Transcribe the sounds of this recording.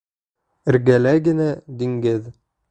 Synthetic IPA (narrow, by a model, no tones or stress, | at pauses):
ɘ̆ɾɡælæɡɘ̆næd̪iŋɡɘð